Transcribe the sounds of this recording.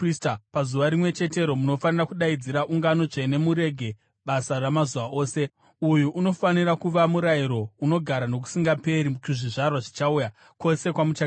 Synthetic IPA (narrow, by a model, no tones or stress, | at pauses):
ristapazuʋaɾimwe̞t͡ʃe̞te̞ɾo̞muno̞fanirakuɗaid͡ziɾaʔuŋɡano̞ʐene̞muɾe̞ɡʱe̞ | ɓasaramazuʋaʔoːse̞ | ujuʔːno̞faniɾakuʋamuɾaiɾo̞uno̞ɡʱaɾano̞k̬u̥siŋɡape̞ɾit͡ʃiʐiʐarwaʐit͡ʃauja | ko̞se̞kwamut͡ʃa